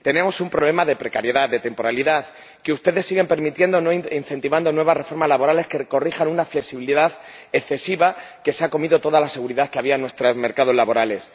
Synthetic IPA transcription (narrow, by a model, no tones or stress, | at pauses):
t̪e̞ne̞mo̞sumpɾo̞βle̞maðe̞pɾe̞kaɾje̞ðaðe̞t̪e̞mpo̞ɾaliðaθ | keust̪e̞ðe̞sːiɣe̞mpe̞ɾmit̪je̞nd̪o̞no̞inθe̞nt̪iβand̪o̞nwe̞β̞asre̞fo̞ɾmazlaβo̞ɾale̞skerko̞rixanunafleksiβiliðaθe̞kθe̞siβake̞seako̞miðo̞t̪o̞ðalase̞ɣ̞uɾiðaθkeaβiaenwe̞st̪ɾazme̞ɾkaðo̞zlaβo̞ɾale̞s